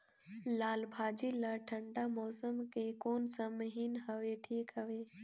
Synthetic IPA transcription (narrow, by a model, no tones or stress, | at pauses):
laːlbʱaːd͡ʒilaʈʰə̃ɳɖamɔːsəmkekoːnsəmɦinɦəʋeʈʰiːkɦəʋeː